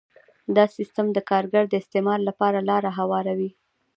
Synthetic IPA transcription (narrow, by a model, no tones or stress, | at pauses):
d̪ɑsist̪amd̪əkɑɾɡaɾd̪əɪst̪emɑɾlapɑɾalɑɾaɦawɑɾawi